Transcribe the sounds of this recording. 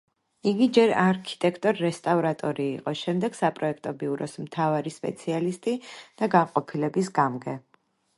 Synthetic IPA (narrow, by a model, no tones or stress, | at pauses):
iɡid͡ʒɛɾaɾkʰi̥t̪ʼɛkʰt̪ʼɔɾːɛst̪ʼavɾat̪ʼɔɾiːqʼɔʃɛmd̪ɛɡ̥sapʼɾɔɛkʰt̪ʼɔbiuɾɔsmt̪ʰavaɾispʼɛ̰t̪sʰialist̪ʼid̪̥aɡaqʼɔpʰilɛbisɡamɡɛ